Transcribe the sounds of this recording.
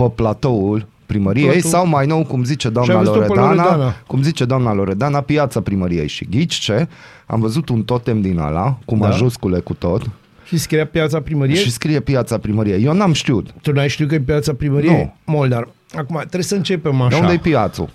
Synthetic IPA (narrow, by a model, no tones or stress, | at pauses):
pəplat̪oul | pɾiməɾiejsawmajnowkumzit͡ʃed̪oamaj̪azloɾed̪oɾnaanakumzit͡ʃed̪oamnaloɾed̪anapiat̪sapɾiməɾiḛjʃḭɡit͡ʃt͡ʃe | a̰mvəzut̪unt̪ot̪ːemd̪ina̰la̰kumaʒuskulekut̪ot̪ | ʃiskɾijapjat̪sapɾiməɾiʃeʃiskɾijepiat̪sapɾiməɾijejonamʃt̪iut̪t̪unuajʃt̪iukəjepiat̪sapɾiməɾiuemold̪ar | akumat̪ɾesəɨnt͡ʃepemaũnad̪ejpiat̪sṵ